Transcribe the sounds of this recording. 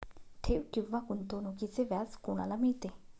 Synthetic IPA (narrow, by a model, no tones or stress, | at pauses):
t̪ʰeʔwkivakunt̪onukit͡sevaskunalamit̪e